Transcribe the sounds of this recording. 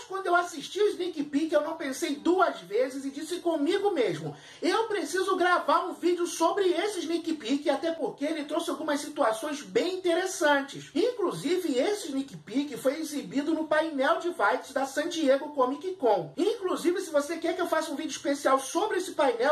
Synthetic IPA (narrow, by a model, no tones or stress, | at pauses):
ʃkwɐ̃nd̪ʊewasiʃt͡ʃiʊznikipikɪewnɐ̃w̃pẽsejd̪uɐzvezɪzɪd͡ʒisɪkõmiɡʊmeʒmʊ | ewpɾesizʊɡɾavaɾũvid͡ʒɪʊsobɾɪesɪznikipikɪat̪ɛpoɾkeelɪt̪ɾowsɪawɡũmɐssit̪uasõj̃zbẽj̃ĩt̪eɾesɐ̃t͡ʃɪsĩkluzivɪesɪnikipikɪfojezibid̪ʊnʊpajnɛwd͡ʒɪvajt̪ʊ̥zd̪ɐsɐ̃t͡ʃieɡʊkõmikikõw̃ĩkluzivɪsɪvosekɛɾkɪewfasũvid͡ʒʊiʃpesiawsobɾɪesɪpajnɛw